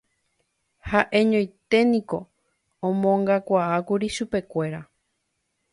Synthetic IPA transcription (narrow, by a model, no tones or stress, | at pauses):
haʔe̞ɲõj̃t̪e̞nĩko̞ | õmõŋɡakʷaakuɾiʃupe̞kʷe̞ɾa